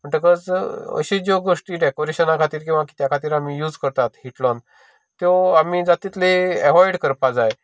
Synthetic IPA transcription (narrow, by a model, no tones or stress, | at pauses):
m̤əɳʈəkət͡sə̰ɕed͡ʑoɡoʂʈiːɖɛkoɾeɕənakʰat̪iːɾkĩw̃ʋaki̥t̪jakʰat̪iːɾamiːjuːd͡zkəɾt̪at̪hiʈlɔn | t̪eamiːd͡zat̪it̪leɛʋɔiɽkəɾpad͡zae